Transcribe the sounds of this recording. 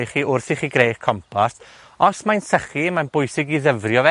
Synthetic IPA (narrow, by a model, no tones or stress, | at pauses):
iχiːʊrθiχiɡrejχkʰɔmpʰas | ɔsmajnsəχimanbʊjsɪɡiðəvrjɔvɛ